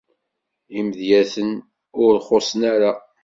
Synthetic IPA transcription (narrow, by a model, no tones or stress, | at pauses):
imðjæθən | ʊɾχosˤənaɾa